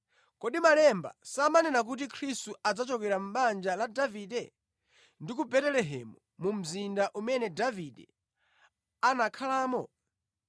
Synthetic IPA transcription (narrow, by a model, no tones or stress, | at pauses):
kɔɗimalɛmba̰samanɛnak̬ut̬ikʰɾistuad͡zat͡ʃɔkɛɾam̩ɓand͡ʒaladavidɛ | ndik̬ubɛtɛlɛɦɛ̰mu | mum̩zindaʔumɛnɛdavidɛ̰ | anakʰalaːmɔ